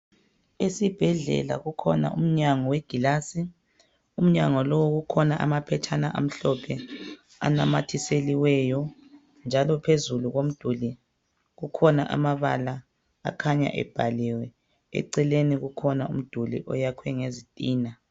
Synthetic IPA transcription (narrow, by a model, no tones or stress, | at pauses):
esib̥ʱɛɮɛ̰la̰ɣukʰɔna̰ʔṵm̩ɲaŋɔweɡ̥ʱilasi | um̩ɲaŋɔlɔwoɣukʰɔnaʔa̰mapʰɛt͡ʃʰanaʔa̰m̩ɬɔpʰɛ | a̰namatʰiseliwɛjɔ | nd͡ʒʱalɔpʰezuluɣom̩d̥ʱuli | ɣukʰɔnaʔa̰maβa̰la | a̰kʰaɲa̰ʔɛ̰b̥ʱaliwɛ | ɛ̰ǀɛleniɣukʰɔnaum̩d̥ʱulḭʔɔ̰jakʰwɛŋezitʼiːna